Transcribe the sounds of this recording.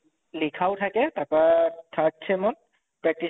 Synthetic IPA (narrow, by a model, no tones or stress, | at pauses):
likʰawtʰakɛtapatʰak̚sʰemɔn | pɹak̚ti